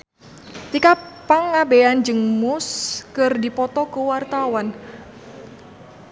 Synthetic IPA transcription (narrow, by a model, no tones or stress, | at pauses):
t̪ikapaŋːabeand͡ʒɨŋmʊskɨrdipɔt̪ɔkuwart̪awan